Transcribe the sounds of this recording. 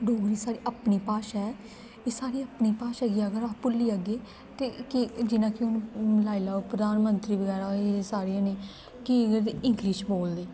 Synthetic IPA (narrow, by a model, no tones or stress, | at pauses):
ɖoːɡɾiːsaːɾiːʔəpniːpaːʃaɛ | eːsaːɾiːəpniːpaːʃaːɡiəɡəɾaːpʊlːiːəɡeː | t̪eːkɪd͡ʒɪnãːkɪʊnlaːilaːoːpɾəd̪aːnmənt̪ɾiːbəɡɛːɾaeːsaːɾijãːneː | kiɡəɾeɪŋɡliːʃboːld̪eː